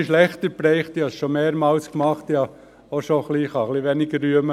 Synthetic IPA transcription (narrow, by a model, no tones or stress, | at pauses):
ʃlɛχt̪əɾpɾɛɪχt̪iɑsʃomeːɾmɑːlskmɑχt̪jɑ | oʃoχliχɑχliʋenɪɡəːyəmə